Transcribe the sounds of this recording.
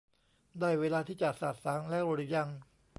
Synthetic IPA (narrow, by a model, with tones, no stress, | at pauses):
d̪aː˥˩jweː˧laː˧t̪ʰiː˥˩t͡ɕa˨˩t̪̚sa˨˩t̪̚saː˩˦ŋlɛ˦˥˨wɾo˧˩i˧˩ja˧ŋ